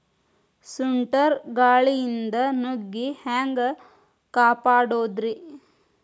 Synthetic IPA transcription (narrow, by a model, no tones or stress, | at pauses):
suɳʈɐɾɡaːɭijind̪ɐnoɡːihaːŋɡɐ | kaːpaːɽoːd̪ɾi